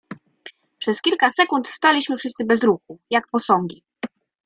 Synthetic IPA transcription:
pʂɛskʲilkasɛkunt̪st̪alʲiɕmɘfʂɘst̪sɘbɛzɾuxujakpɔsɔŋɡʲi

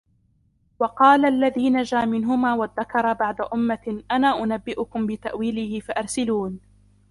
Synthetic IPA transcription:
wɑqɑːlaʔlːaðiːnad͡ʒaːmɪnɦʊmaːwaðːakɑɾˤɑbaʕd̪aʔʊmːaʔanaːʔʊnabːɪʔʊkʊmbɪt̪aʔwiːlɪhɪfaʔɑɾˤsɪluːn

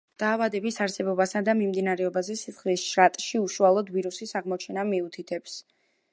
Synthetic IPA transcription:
d̪̥aːvad̪ɛbisaɾsɛbɔbasad̪amimd̪inaɾɛɔbazɛsisχlisʃɾat̪ʼʃiuʃualˠɔd̪viɾusisaʁmɔt͡ʃʰɛnamiut̪ʰit̪ʰɛps

